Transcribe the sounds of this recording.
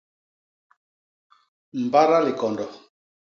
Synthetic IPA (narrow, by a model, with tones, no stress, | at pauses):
m̩˨ba˦ɾa˦le˨kɔ˨ndɔ˨